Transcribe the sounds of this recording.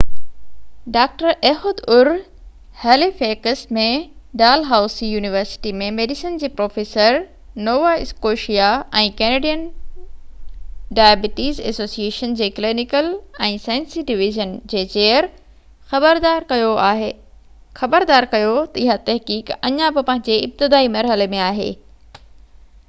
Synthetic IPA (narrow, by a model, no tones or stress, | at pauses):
ɖaːk̚ʈəɾʔeːɦod̪ʊɾ | hɛːlifeːkəsmẽɖaːlɦaːʊsijuːniʋəɾsɪ̥ʈimẽmeːɖɪsənd͡ʑiːpɾoːfeːsəɾ | noːʋaɪskoːʃijaɛ̃ːkeːneːɖijən | ɖaːjbɪʈiːzḛːsoːsieːʃənd͡ʑeːklinɪkəlɛ̃ːsaːɪnsiɖɪʋɪʒənd͡ʑeːt͡ɕeːəɾ | xɐbəɾd̪aːɾkɐjoaːɦ | xɐbəɾd̪aːɾkɐjot̪ɐɪɦat̪ɐɦkiːkɐɲãbɪpɐ̃ɦɪ̃ɲd͡ʑeɪb̚t̪ɪd̪aːimɐɾɦəlemẽaːɦḛː